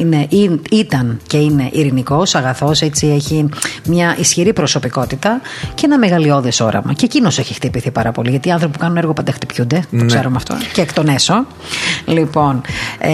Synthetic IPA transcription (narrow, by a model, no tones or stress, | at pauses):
neʔiit̪ɐnce̞ine̞ʔiɾiniko̞sɐɣɐθo̞set͡sieçimɲɐʔisçiɾipɾo̞so̞piko̞t̪it̪ɐceenɐme̞ɣɐlio̞ðeso̞̰ɾɐ̰mɐ̰ceːcino̞seçixt̪ipiθipɐɾɐpo̞liʝɐt̪iːɐnθɾo̞pipukɐnuneɾɣopɐnd̪ext̪ipçund̪e̞t̪okseɾumeɐft̪o̰ceːkt̪oneso̞ | lipo̞n